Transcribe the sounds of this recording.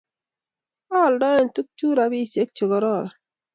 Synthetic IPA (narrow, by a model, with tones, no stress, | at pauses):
a˦˨ldɔ˦je˦˨n˨tu˦k̚t͡ʃu˦ɾa˨bi˦˨se˦k̚t͡ʃo˨ɡɔ˨ɾɔ˦˨ɾa˨